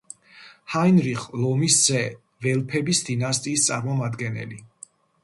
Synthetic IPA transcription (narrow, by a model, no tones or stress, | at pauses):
hajnɾiχlˠɔmiszɛ | vɛlˠpʰɛbisd̪inast̪ʼiːst̪sʼaɾmɔmad̪ɡɛnɛ̰li